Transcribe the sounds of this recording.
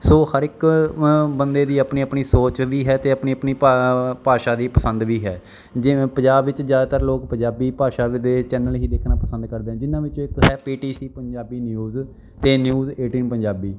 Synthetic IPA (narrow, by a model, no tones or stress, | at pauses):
soːhəɾɪk | bənd̪eːd̪iːəpniːəpniːsoːt͡ʃʋiːɦɛːt̪eːəpniːəpniːpaːʃaːd̪iːpəsə̃nd̪ʋiːɦɛː | d͡ʒɪpəɲd͡ʒaːbʋɪt͡ʃzjaːd̪aːt̪əɾloːkpəɲd͡ʒaːbiːpaːʃaːd̪eːt͡ʃɛːnəlɦiːd̪eːkʰnaːpəsə̃nd̪kəɾd̪eːɛ̃ːd͡ʒɪnãːʋɪt͡ʃːɪkɦɛːpiːʈiːsiːpəɲd͡ʒaːbiːnjuːz | t̪eːnjuːzeːʈiːnpə̃ɲd͡ʒaːbiː